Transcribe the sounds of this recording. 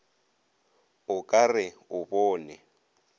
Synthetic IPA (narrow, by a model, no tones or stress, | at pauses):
ʊkʼarɪʊbɔːnɛ